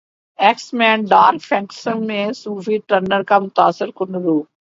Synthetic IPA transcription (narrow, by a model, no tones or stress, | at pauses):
ɛksmɛ̃ːnɖaːɾfʰɛ̃ŋksənmẽsuːfiʈəɾnəɾkamʊt̪aːsɪɾkʊnɾuː